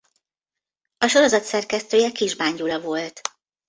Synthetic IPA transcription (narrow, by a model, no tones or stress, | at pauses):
ɒʃo̞ɾo̞zɒt̪sɛrkɛst̪øːjɛkiʒbaːɲɟulɒvo̞lt̪